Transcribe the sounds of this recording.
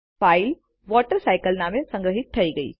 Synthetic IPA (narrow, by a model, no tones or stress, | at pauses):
faːɪl | ʋɔːʈəɾsaːɪkəlnaːmẽsɐ̃ŋɡɾəɦɪt̪̚t̪ʰɐiɡɐḭː